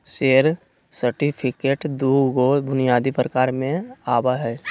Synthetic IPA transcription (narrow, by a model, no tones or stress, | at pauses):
seːɾ | səɾʈipʰɪkeːʈd̪uːɡobʊnijaːd̪ipɾəkaːɾmẽaːbaɦɛː